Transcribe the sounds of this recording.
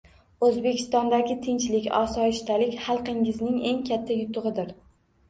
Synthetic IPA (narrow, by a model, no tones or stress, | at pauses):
ɵzbe̞kʲʰɪ̥st̪ɒnd̪aɡʲɪt̪ʰɪnt͡ʃlɪkʲɒ̰sɒɪʃt̪alɪkʲχɑlˠqɪŋɪznɪŋe̞ŋkʲʰat̪ʰːajʊt̪ʰʊʁɨd̪ɪɾ